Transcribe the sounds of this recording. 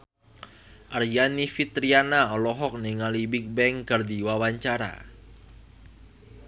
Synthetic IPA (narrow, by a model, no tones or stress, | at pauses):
ʔarjanifit̪ɾianaɔlɔɦɔk̚niŋalibik̚bɛŋkərdiwawaɲt͡ʃaɾa̰